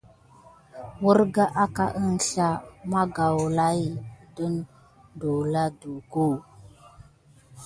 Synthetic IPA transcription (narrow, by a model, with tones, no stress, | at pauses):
wə˦ɾɡa˦ʔa˦ka˦ʔə˦n˦ɬa˦ma˦ɡa˨wla˦jdu˦n | do˨la˦du˨ɡo˦˨